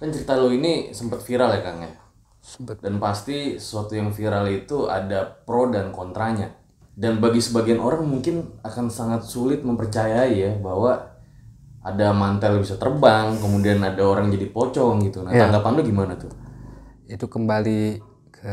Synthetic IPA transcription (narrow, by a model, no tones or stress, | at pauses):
kant͡ʃəɾit̪aloinisəmpət̪fiɾaljakanja̰ | danpast̪isə̥suat̪ujaŋfiɾalit̪ua̰dapɾodankɔnt̪ɾaɲa | danbaɡisəbaɡianʔoɾaŋmuŋkɪnakansaŋat̪̚sulɪt̪̚məmpərt͡ʃajaijabaɦwa | adamant̪ɛlbisat̪ərbaŋkəmudianadaoɾaŋd͡ʒadipot͡ʃɔŋɡit̪unat̪aŋɡapanloɡimanat̪ʊ | it̪ukəmbali | kʰə